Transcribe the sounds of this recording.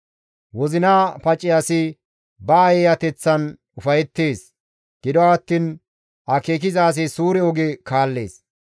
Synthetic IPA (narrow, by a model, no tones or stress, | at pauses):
wɔzɪnaːpɐt͡ʃʼːɪjɐsɪ | bɐːjɛjɐt̪ɛt͡sːɐn | ʊfɐjɛt̪ːe̞ːs | ɡ̥ɪd̪ɔwat̪ːiːn | ʔɐkeːk̬ɪzaːs̬ɛsuːɾɛɔɡɛkaːlːe̞̰ːs